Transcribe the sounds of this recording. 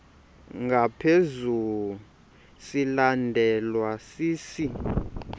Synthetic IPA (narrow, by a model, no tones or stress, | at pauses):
ŋɡʱapʰezulu | silandʱɛlwasiːsi